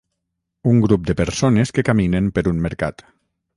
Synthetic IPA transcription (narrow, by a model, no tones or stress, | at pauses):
uŋɡɾup̚d̪əpəɾsoneskekaminempəɾunməɾka̰t̪